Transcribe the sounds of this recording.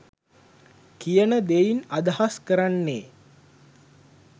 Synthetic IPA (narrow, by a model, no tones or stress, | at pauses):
kijənəd̪ejinad̪əhaskəɾanːeː